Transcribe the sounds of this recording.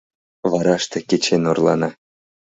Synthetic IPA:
vɑɾɑʂt̪ɤ̆kʲet͡ɕenʲorlˠɑ̰nɑ

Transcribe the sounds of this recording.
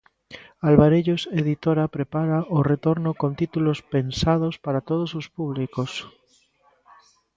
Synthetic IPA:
alβaɾeʎoseðit̪oɾapɾepaɾaʔoret̪oɾnokont̪it̪ulospensað̞ospaɾat̪oð̞osospuβ̞likos

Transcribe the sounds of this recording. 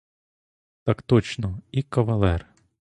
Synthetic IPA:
t̪akt̪ɔt͡ʃnɔikɐʋɐlˠɛr

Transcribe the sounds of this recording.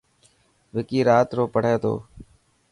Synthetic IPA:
ʋɪkiːɾaːt̪ɾoːpəɳ̤eːt̪ʰo̰ː

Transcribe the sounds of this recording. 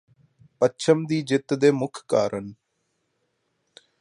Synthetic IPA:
pətːt͡ʃʰəmd̪iːd͡ʒɪt̪ːd̪eːmʊkʰka̰ːɾən

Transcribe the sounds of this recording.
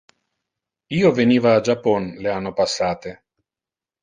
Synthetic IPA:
iːoveniːvaːd͡ʒapːɔnleanːopasːaːt̪e

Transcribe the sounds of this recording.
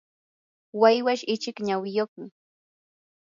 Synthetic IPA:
wajwaʃɪt͡ʃɪkɲawɪjoχmɪ

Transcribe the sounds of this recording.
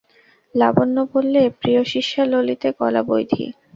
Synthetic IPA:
labonːobolːepɾijoʃiʃːalolit̪ekɔla̰bojd̪ʱḭ

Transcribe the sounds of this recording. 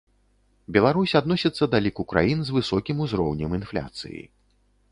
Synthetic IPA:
bʲɛlˠaɾusʲad̪nɔsʲit̪sːɐd̪alʲikukɾa̰jinzvɨsɔkʲimuzɾɔwnʲɛminflʲa̰t̪sɨ̰jḭ

